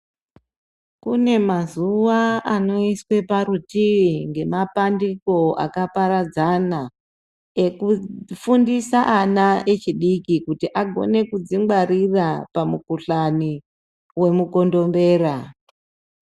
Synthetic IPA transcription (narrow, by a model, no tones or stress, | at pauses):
kune̞mazuʋaano̞iswe̞paɾutiʋiŋɡe̞mapandiko̞a̰kapaɾad͡zana | e̞kufundisaʔanae̞t͡ʃiɗikikutiʔaɡʱo̞̰ne̞kud͡ziŋɡwaɾirapamukuɬani | we̞muko̞ndo̞mbe̞ːɾa